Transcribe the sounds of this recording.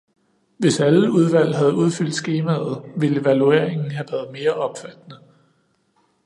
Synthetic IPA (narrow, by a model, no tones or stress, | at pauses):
ʋe̝sæləuð̞ˠʋæl̰ɦæð̞ˠuð̞ˠfyl̰d̥sɡ̥e̝ːmæð̩ˠʋele̝ʋælue̝̰ɐ̰e̝ŋn̩ɦæʋæːɐð̞̩ˠme̝ːɐʔɒ̽b̥fæd̥nə